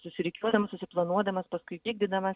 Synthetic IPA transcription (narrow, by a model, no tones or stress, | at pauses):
sʊsʲɪɾʲɪkʲuɔd̪ɐmɐssʊsʲɪplˠɐnuɔd̪ɐmɐspɐskʊɪkʲiːɡ̚d̪ʲɪd̪ɐmɐs